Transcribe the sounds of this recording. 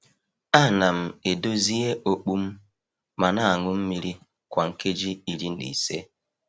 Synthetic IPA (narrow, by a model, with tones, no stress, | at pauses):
a˦˨na˨m̩˨e˨do˦zi˦e˦ʔo˦k͡pu˦m̩˦ | ma˨na˦a˨ŋʷʊ˦m̩˦mi˦ɾi˦ | kʷa˨ŋ̩˨ke˦d͡ʒi˦i˨ɾi˦n̩˦dḭ˨se˦